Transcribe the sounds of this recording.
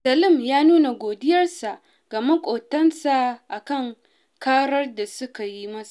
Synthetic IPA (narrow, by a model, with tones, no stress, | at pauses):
sɐ˨lɪ˦˨mjaː˦nuː˦na˨ɡʷoː˨dɪ˦jɐ˦rsa˨ʔ | ɡ̥ɐ˨mɐ˦kʷʼoː˨tɐ˦nsa˨ʔa˨kɐ˦˨ŋ | kaː˦ɽɐ˦rda˨sʊ˦ka˨ji˦mɐ˦sa˨